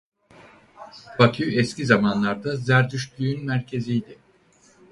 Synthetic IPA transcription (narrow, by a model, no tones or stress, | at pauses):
b̥ak̪ʰyɛscʲizamanlˠaɾd̪azæɾd̪yʃbyjynmæɾcʰe̞zijd̪ɪ